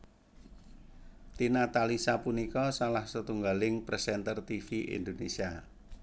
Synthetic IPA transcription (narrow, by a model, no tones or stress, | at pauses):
t̪inat̪alisapunikɔsalahsət̪uŋɡalɪŋpɾɛsɛnt̪ərt̪ifiʔḭnd̪onesia